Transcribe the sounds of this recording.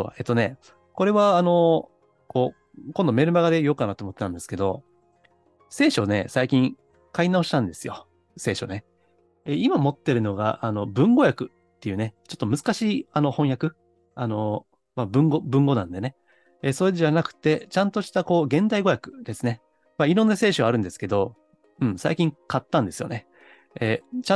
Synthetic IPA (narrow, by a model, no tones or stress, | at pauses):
o̰ːe̞t̪ːone̞ | ko̞ɾe̞βaːno̞ | ko̞ː | kõnd̪o̞me̞ɾɯ̟maɡad̪e̞jo̞kanat̪omot̪ːet̪ãnd̪e̞sɨ̥ke̞d̪o̞ | se̞ːɕo̞ne̞̰saikʲĩŋ | kainao̞ɕi̥t̪ãnd̪e̞sɨjo̞̰ | se̞ːɕo̞̰ne̞ | eimamo̞t̪ːe̞ɾɯ̟no̞ɡa̰ʔano̞bɯ̟̃ŋɡo̞jakɯ̟ | t̪ːe̞jɯ̟ːne̞t͡ɕo̞t̪ːo̞mɯ̟zɨ̥kaɕiːano̞hõ̞ɰ̃jakɯ̟ | ano̞ | mabɯ̟̃ŋɡo̞bɯ̟̃ŋɡo̞nã̰nd̪e̞ne̞ | eso̞eʑanakɯ̟̥t̪ːe̞t͡ɕãnt̪o̞ɕi̥t̪ako̞ːɡẽ̞nd̪aiɡo̞jakɯ̟̥d̪̥e̞sɨne̞ | maiɾõ̞nːase̞ːɕoaːɾɯ̟̃nd̪e̞sɨ̥ke̞d̪o̞ | ɯ̟̃ɴsa̰ikʲĩŋkat̪ːãnd̪e̞sɨjone̞ | et͡ɕa